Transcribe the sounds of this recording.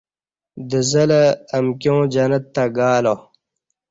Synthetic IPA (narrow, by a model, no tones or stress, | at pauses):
d̪əzɐlɐːmkjõːd͡ʑɐnɐt̪ːaɡaːlo